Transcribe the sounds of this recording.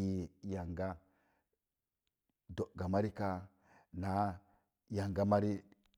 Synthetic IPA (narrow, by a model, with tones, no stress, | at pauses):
i˦ja˨ŋɡa˦ | do˨ɡa˨ma˦ɾi˦ka˦ | na˨˦ | ja˨ŋɡa˦ma˦ɾi˦